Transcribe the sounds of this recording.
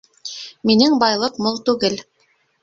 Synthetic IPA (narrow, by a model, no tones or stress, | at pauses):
minɘŋbɑjlˠɤqmolˠt̪ʉɡɘl